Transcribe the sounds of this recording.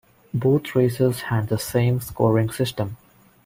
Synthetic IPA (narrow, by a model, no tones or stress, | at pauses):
boːt̪ʰɾeːsezhæ̃ɳɖd̪əsẽːmskɔːɾɪ̃ŋsɪsʈə̃m